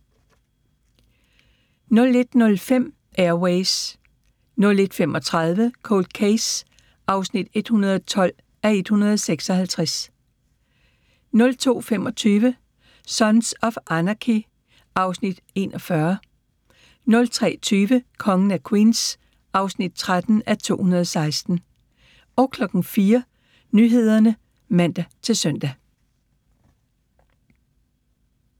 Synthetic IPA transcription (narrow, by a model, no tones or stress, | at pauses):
nɔ̽le̝d̥nɔ̽lfem̰ | ʔeɐweɪs | nɔ̽le̝d̥fem̰ɒ̽t͡sʰʁɑð̞ˠʋəkʰo̰ːld̥̚kʰeɪs | ʔɑ̈ʊsnid̥e̝d̥hunɐð̞ˠɒt͡sʰɒ̽l̰ | æe̝d̥hunɐð̞ˠseɡ̥sɒ̽hælt͡sʰʁas | nɔ̽lt͡sʰo̝̰ːfemɒ̽t͡sʰyːʋə | sɒ̽nsɒ̽fʔænɑkʰi | ʔɑ̈ʊsnid̥e̝nɒ̽fɶɐ | nɔ̽lt͡sʰʁɛ̰ːt͡sʰyːʋəkʰɒ̽ŋn̩ækʰwḭːns | ʔɑ̈ʊsnid̥̚t͡sʰʁad̥n̩æt͡sʰo̝̰ːhunɐð̞ˠɒsɑ̈ɪsd̥n̩ | ɒ̽ʊkʰlɒ̽ɡ̥n̩fiːɐ | nyɦe̝ð̞̰ˠɐnə | mæn̰d̥æt͡sʰe̝lsœn̰d̥æ